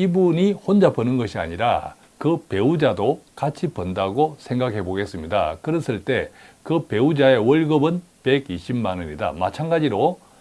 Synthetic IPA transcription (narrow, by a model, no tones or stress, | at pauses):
ibuɲihond͡ʑapʌnɯnɡʌɕʰia̰ɲiɾa̰ | kɯpe̞ud͡ʑadokat͡ɕʰipʌndaɡosʰe̞ŋɡakʰe̞boɡe̞s͈ɯmɲida̰kɯɾʌs͈ɯɭt͈e̞kɯpe̞ud͡ʑae̞wʌɭɡʌbɯn | pe̞ɡiɕʰibmanɯɲida̰ma̰t͡ɕʰanɡad͡ʑiɾo